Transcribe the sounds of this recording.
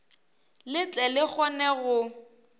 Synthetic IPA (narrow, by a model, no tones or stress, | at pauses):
lɪt͡ɬʼɛlɪk͡xɔnɛɣʊ